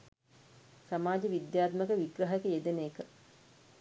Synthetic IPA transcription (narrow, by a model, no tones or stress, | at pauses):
samaːd͡ʒəʋid̪jaːt̪məkəʋiɡrəɦekəjed̪enejːkə